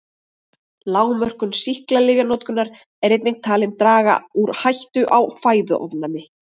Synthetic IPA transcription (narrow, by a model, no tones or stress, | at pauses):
laːwmœr̥kʏnsihklalɪːɣanɔwt̪kʏnːaɾ | ɛɾejt̪niŋk̚t̪ʰaːlɪnt̪ɾaːɣa̰uɾhajht̪ʏʔawfaːjðʏ̰ʔɔvnanːɪ